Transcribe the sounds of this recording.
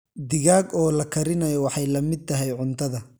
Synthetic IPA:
d̪ɪɣaːɡɔːlɐkʰɐɾɪnɐjɔwɑħɑjlɐmɪd̪̚t̪ʰɐɦɛjʕʊnt̪ʰɐðɐ

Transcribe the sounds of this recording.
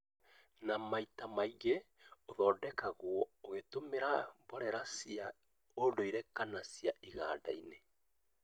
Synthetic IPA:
namaitamaiɣe | oðɔːdɛkaɣwɔoɣetomeɾabɔɾɛɾasia | odoiɾɛkanasiaʔiɣaːda̰ine

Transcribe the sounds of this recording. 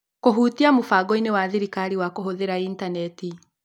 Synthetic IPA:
koɦuːtiamofaɡɔinewaðiɾikaɾiwakoɦoðeɾaintanɛti

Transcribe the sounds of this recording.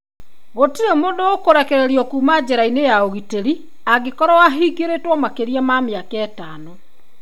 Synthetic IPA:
ɣotiɾemoːndookoɾɛkɛɾeɾjɔkuːmad͡ʑeɾainejaoɣiteɾi | aɣekɔɾɔwaɦiɡeɾetwɔmakeɾiamameakɛtaːno

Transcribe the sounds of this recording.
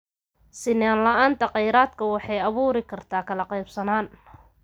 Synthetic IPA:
sɪnaːnlɐʔaːnt̪ʰɐqɑjɾaːd̪kʰɐwɑħɑjɐβuːɾɪkʰɐrt̪ʰaːkʰɐlɐqɑjbsɐnaːn

